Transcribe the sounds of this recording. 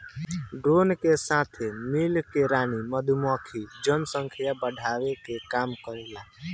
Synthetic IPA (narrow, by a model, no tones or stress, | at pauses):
ɖɾoːnkesaːt̪ʰemilkeɾaːniməd̪ʱumɔːkʰid͡ʒənsə̃ŋkʰijabəɖʱaːʋekekaːmkəɾelaː